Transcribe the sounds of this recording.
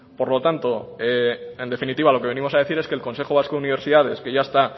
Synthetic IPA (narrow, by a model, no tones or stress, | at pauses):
po̞ɾlo̞t̪ant̪o̞eend̪e̞finit̪iβ̞alo̞kee̞nimo̞saðeθiɾe̞skeːlko̞nse̞xoβ̞askouniβ̞e̞ɾsiðað̞e̞ske̞ʝaest̪a